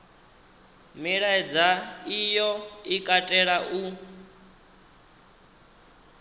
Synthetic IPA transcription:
miɺaɛd͡zaijɔikʼatʼɛɺaʔu

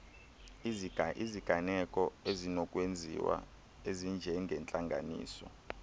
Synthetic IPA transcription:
ʔiziɡ̥ʱanɛkʼɔezinɔkʼwend͡zʱḭwa̰ | ezind͡ʒʱɛŋɡʱɛnt͡ɬʼaŋɡʱa̰nḭːsɔ̰

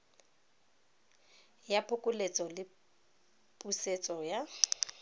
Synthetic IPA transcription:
japʰʊkʼʊlet͡sʼɔlɪ | pʼuset͡sʼɔja

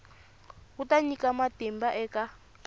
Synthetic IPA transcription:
utaɲikamatimbaʔɛka

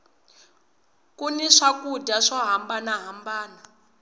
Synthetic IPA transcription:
kuniʂakudaʂɔɦambanaɦambaːna

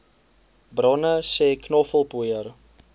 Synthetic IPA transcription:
brɔnəsɛːknɔfəlˠbuəjər

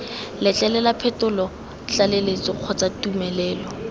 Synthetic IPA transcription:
lɛt͡ɬʼɛlɛlapʰɛtʊlɔ | t͡ɬalelet͡sʼɪq͡χʰɔt͡sʼatumɛlɛːlɔ

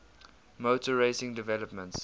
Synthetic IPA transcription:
moʊtəɹeɪsɪ̃ŋdɪvɛləpmə̃nts

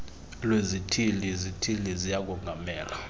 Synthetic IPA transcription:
lwezitʰilizitʰilizijak̬ʼuŋɡʱamɛːla

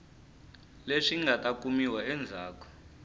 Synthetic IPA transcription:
leʂiŋɡʱatʼakʼumiwaɛnd͡zʱaːk̬ʰʼɔ̥

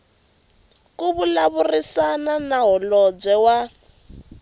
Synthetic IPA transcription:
kuβulaβurisananaɦɔlɔb͡ʐʷɛwa

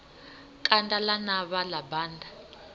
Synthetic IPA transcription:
kʼandalanaβalabaːnda

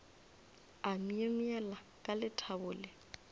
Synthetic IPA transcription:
amiemiɛla | kʼalɪtʰabʊːlɪ

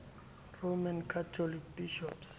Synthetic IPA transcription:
romankʰatʰɔlik̚biʃɔps

